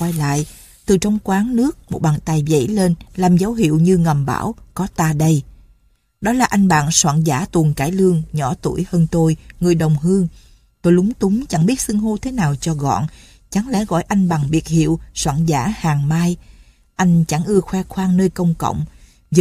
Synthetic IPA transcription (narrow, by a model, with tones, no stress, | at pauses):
wa˧jla̰ː˧˨j | t̪ɨ˨˩t͡ɕɔ˧wŋ͡mkwaː˨˦ŋnɨ˦˥ək̚mo˨˩t̚ɓaː˨˩ŋt̪a˨˩jzə̰˧˥jle˧nlaː˨˩mzə˨˦wɦḭ˧˨əwɲɨ˧ŋə˨˩mɓa̰ː˧˩wkɔ˨˦t̪aː˧ɗə˧j | ɗɔ˨˦laː˨˩ʔa˧jŋ̟ɓa̰ː˧˨nswa̰ː˧˨nzaː˧˥t̪u˨˩ənka̰ː˧˩jlɨ˧əŋɲɔ˧˩t̪u˧˩əjhəː˧nt̪o˧jŋɨ˨˩əjɗə˨˩wŋ͡mɦɨ˧əŋ | t̪o˧jlʊ˨˦ŋ͡mt̪ʊ˨˦ŋ͡mt͡ɕa˧˩ŋɓi˦˥ət̚sɨ˧əŋɦo˧t̪ʰe˨˦naː˨˩wt͡ɕɔ˧ɣɔ̰˧˨n | t͡ɕa˨˦ŋlɛ̰˧˥ɣɔ̰˧˨jʔa˧jŋ̟ɓa˨˩ŋvi˨˩ət̚hḭ˧˨əwswa̰ː˧˨nzaː˧˥haː˨˩ŋmaː˧j | ʔa˧jŋ̟t͡ɕa˧˩ŋʔɨ˧əxwɛ˧xwaː˧ŋnəː˧jkə˧wŋ͡mkə̰˧˨wŋ͡m | zɨ˧